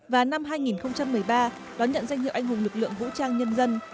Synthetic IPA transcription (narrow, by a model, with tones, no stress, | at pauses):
vaː˨˩na˧mɦaː˧jŋi˨˩nxə˧wŋ͡mt͡ɕa˧mːɨ˨˩əjɓaː˧ | ɗɔ˨˦nɲə̰˧˨nza˧jhḭ˧˨ʔa˧ŋ̟ɦʊ˨˩ŋ͡mlɨ˨˩k̚lɨ̰˧˨əŋvṵ˧˥t͡ɕaː˧ŋɲə˧nzə˧n